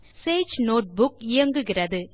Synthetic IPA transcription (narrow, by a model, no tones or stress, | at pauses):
seːd͡ʒnoːʈ̚bʊkɪjɐŋɡɯɣɪrɐðɯ